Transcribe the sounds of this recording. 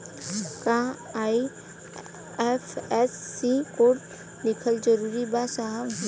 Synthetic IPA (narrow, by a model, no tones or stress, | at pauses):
kã | aːi | ɛfɛsːikoːʈ | lɪkʰəld͡ʒəɾuːɾibasaɦəb